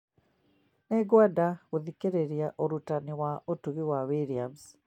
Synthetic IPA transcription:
nɛɡwadaɣuðikeɾeɾiaʔoɾutaniwaotuβiwawiɾiams

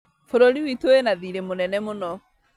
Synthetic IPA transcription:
foɾoɾiwitoenaðiɾemonɛnɛmonɔ

